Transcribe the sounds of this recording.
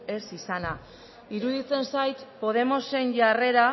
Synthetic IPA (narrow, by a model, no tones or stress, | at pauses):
e̞sisana | iɾuðit͡se̞nsajt̪po̞ð̞e̞mo̞se̞nʝare̞ɾa